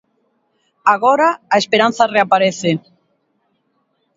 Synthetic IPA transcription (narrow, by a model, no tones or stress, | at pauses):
aɣoɾaːespeɾãn̟θareapaɾeθe